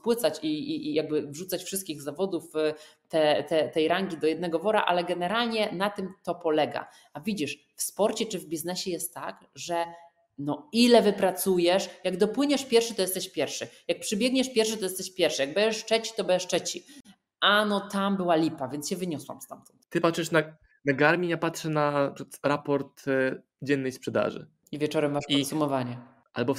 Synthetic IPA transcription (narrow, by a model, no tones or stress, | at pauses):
pwɘt̪sat͡ɕijaɡ̚bɘvʐut̪sat͡ɕfʂɘst̪̚kʲiɣzavɔd̪uf | t̪ɛt̪ɛt̪ɛjɾaŋɡʲid̪ɔjɛd̪nɛɡɔvɔɾa̰ʔa̰lɛɡɛnɛɾalɲɛnat̪ɘmt̪ɔpɔlɛɡa̰ | avʲid͡ʑiʂ | fspɔɾt͡ɕɛt͡ʂɘvbʲiznɛɕɛjɛst̪ːak | ʐɛ | nɔilɛvɘpɾat̪sujɛʂjaɡd̪ɔpwɘɲɛʂpʲjɛɾfʂɘt̪ɔjɛst̪ɛɕpʲjɛɾfʂɘjak̚pʂɨbʲjɛɡ̚ɲɛʂpʲjɛɾfʂɘt̪ɔjɛst̪ɛɕpʲjɛɾfʂɨjaɡ̚bɛd͡ʑɛʂt͡ʂɛt͡ɕi̥t̪ɔbɛɛʂt͡ʂɛt͡ɕi | ʔanɔt̪ambɘwalʲipavʲjɛnt̪sɕɛvɘɲɔswa̰mst̪a̰mt̪ɔnt̪t̪ɘpatʂɨʂna | naɡaɾmʲiɲapatʂɛnaɾapɔɾt̪ | d͡ʑɛnːɛjspʂɛd̪a̰ʐɘ̰ | ivʲjɛt͡ʂɔɾɛmːaʂkɔnsumɔvaɲɛ | ʔalbɔ